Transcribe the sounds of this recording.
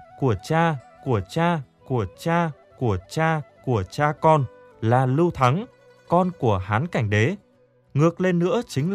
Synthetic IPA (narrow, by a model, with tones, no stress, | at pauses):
ku˧˩ət͡ɕaː˧ku˧˩ət͡ɕaː˧ku˧˩ət͡ɕaː˧ | ku˧˩ət͡ɕaː˧ku˧˩ət͡ɕaː˧kɔ˧n | laː˨˩lɨ˧wt̪ʰa˨˦ŋ | kɔ˧nku˧˩əɦaː˨˦nka˧˩jŋ̟ɗe˨˦ | ŋɨ˨˩ək̚le˧nːɨ̰˧˥ət͡ɕï˨˦ŋ̟l